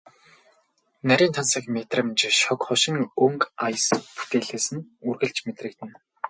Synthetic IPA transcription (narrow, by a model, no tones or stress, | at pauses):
næɾʲiːnt̪ʰansə̆kmet̪rə̆mt͡ɕʃɔkχʊʃɪ̆ŋɵŋkajspu̥t̪eːɮeːsɘ̆nurɣɘ̆ɮt͡ɕmet̪rɘ̆k̚t̪ɘ̆n